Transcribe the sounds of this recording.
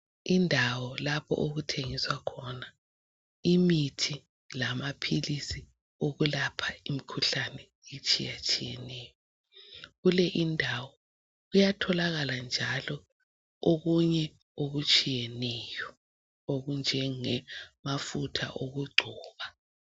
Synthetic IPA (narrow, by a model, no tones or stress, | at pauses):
indʱawɔlapʰɔ̰ʔoɣutʰeŋiswakʰɔna | imitʰi | lamapʰilisi | oɣulapʰaimikʰuɬanɛ | it͡ʃʼijat͡ʃʼijɛnɛːjɔ | ɣulɛʔindʱawɔ | ɣujatʰɔlaɣaland͡ʒʱalɔ | oɣuɲɛ | oɣut͡ʃʼijɛnɛːjɔ | oɣund͡ʒʱɛŋɛmafutʰa̰ʔoɣuɡ͡ǀʱɔːβa